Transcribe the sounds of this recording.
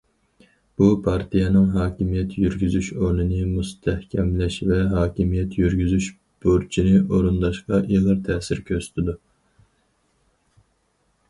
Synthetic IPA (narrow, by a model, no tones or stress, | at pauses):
b̥upʰɑɾt̪ʰijɛnɨŋɦɑːkʲimijɛt̪ʰjyɾɡʲyzyʃonɨnɨmust̪ʰɛhkʲʰɛmlɛʃvɛɦɑːkʲimijɛt̪ʰjyɾɡʲyzyʃ | b̥oɾt͡ʃʰinɪʔoɾund̪ɑʃqɑʔilˠɨɾt̪ʰɛːsɪɾkʲʰøsy̥t̪ʰɪd̪u